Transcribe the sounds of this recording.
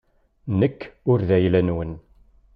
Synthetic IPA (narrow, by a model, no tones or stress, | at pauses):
nəkːʊɾðæjlænwən